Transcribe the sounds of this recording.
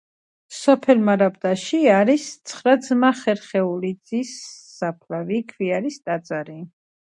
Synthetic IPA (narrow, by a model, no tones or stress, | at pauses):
sɔpʰɛlmaɾabd̪aʃiaɾist̪sʰχɾad̪zmaχɛɾχɛulid̪zisːapʰlavikʰviaɾist̪ʼat̪sʼaɾi